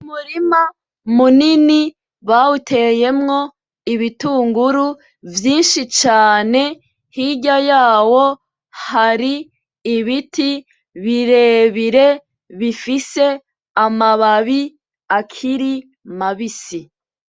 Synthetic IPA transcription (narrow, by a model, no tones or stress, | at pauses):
umuɾima | munini | βautʰe̞je̞mŋo̞ | iβituːŋɡuɾu | vjiːnʃit͡ʃaːne̞ | hiɟajaːwo̞ | haɾiː | βitʰi | βiɾe̞ːβiɾe̞ | βifise̞ | amaβaβi | akʰiɾi | maβisi